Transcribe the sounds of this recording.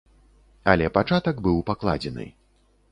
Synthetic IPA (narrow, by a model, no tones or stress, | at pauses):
ɐlʲɛpat͡ʂat̪ɐɡbɨwpaklˠa̰d͡zʲɛnɨ̰